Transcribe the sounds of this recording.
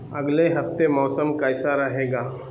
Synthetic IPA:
ɐɡleɦɐft̪emɔːsəmkaɪsaɾɐɦeːɡaː

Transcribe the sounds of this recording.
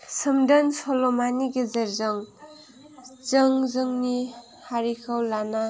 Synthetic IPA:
səmdənsolomaniɡezeɾzʌŋ | zʌŋzɯŋni | haɾikʰawlana

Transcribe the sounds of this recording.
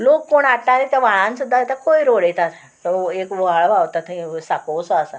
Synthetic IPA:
lokːoɳaʈːaɾit̪aʋaɭ̃ãnsud̪ʱːaet̪akoiɾoɽet̪at̪ | t̪ɔekʋoɦaɭʋawt̪at̪ẽsakowsɔasa

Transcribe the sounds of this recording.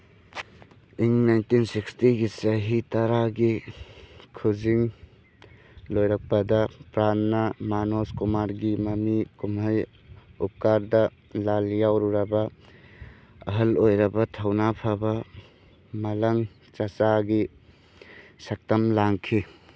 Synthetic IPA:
iŋnajntinsikstiɡisɐɦitɐɾaɡi | kʰuziŋ | lojɾɐk̚pɐdɐpɾanːɐmanoskumaɾɡimɐmikumɦaj | up̚kaɾdɐ | laljawɾuɾɐbɐ | ɐɦɐlojɾɐbɐtʰawnapʰabɐ | mɐlɐŋ | t͡ʃat͡ʃaɡi | sɐk̚tɐmlaŋkʰi

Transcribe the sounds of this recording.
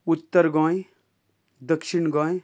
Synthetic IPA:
ʊt̪ːəɾɡãː | d̪ɐkʃɪɳɡãːj

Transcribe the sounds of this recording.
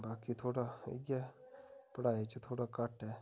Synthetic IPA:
baːkit̪ʰoːɽaɪ̰ɡa | pəɽaːet͡ʃt̪ʰoːɽakəʈɛː

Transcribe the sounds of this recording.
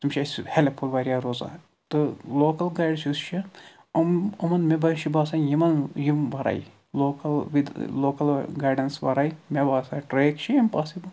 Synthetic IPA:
t̪umʃɐshelepʰulʋaːɾijaːɾoːza̰ː | t̪ɨloːkɐlɡaːjɖsust͡ʃʰi | ɐmɐmɐnmebɐʃibaːsajimɐnjimʋɐɾa̰j | loːkɐlʋid̪loːkɐlɡaːɾɖɐnsʋɐ̰ɾajmʲebaːsaːʈɾeːkt͡ʃʰiimpaːsibɐ

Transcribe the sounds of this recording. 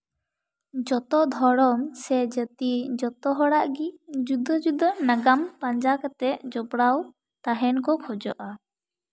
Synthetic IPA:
d͡ʒɔt̪ɔd̪ʱɔɽɔmsɛd͡ʒət̪id͡ʒɔt̪ɔɦɔɽaʔɡid͡ʒud̪ɔd͡ʒud̪ɔnaɡampaɲd͡ʒakat̪ɛʔd͡ʒɔbɽaw | t̪aɦɛnkɔkʰɔd͡ʒɔʔa

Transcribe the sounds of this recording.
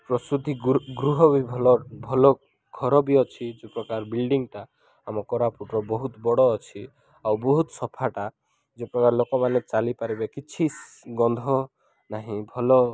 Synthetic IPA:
pɾɔsɾud̪ʱiɡɾuɦɔbibʱɔlɔbʱɔlɔ | ɡʱɔɾɔbiɔt͡ʃʰid͡ʒepɾɔkaɾbilɖiŋt̪aː | mɔkɔɾapuʈɾɔbɔɦut̪bɔɽɔːt͡ʃʰi | awbɔɦut̪sɔpʰaʈa | d͡ʒepɾɔkaɾlokɔmanet͡ʃalipaɾibekit͡ʃʰi | ɡɔnd̪ʱɔ | naɦĩbʱɔlɔ

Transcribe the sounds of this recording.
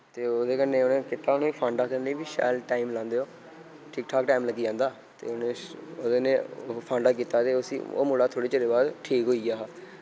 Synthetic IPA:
t̪eːoːd̪eːkənːẽːonẽːkɪt̪aːʊnẽːpʰãːɳɖaːkəɾnẽːbiːʃa̰ːlʈaːimlãːnd̪eːoː | ʈʰɪːkʈʰaːkʈaːimləɡiːd͡ʒãːnd̪aː | t̪ḛːʊneːoːd̪ːneːpʰãːɳɖaːk̬iːt̪aːt̪eːʊsḭːo̰ːmʊlaːt̪ʰoːɽeːt͡ʃeɾeːbaːd̪ʈʰiːkɦoːiːaːɦ

